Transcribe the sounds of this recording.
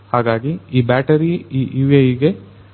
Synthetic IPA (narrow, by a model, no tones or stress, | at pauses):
haːɡaːɡiiːbæːʈɐɾiiʔiʋeiɡe